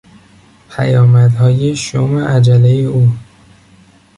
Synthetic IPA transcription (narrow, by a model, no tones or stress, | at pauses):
pʰæjɒːmæd̪hɒːjeʃomeʔæd͡ʒælejeuː